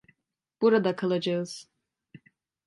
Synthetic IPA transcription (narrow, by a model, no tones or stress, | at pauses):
b̥uɾad̪akʰalˠad͡ʒaɯz̥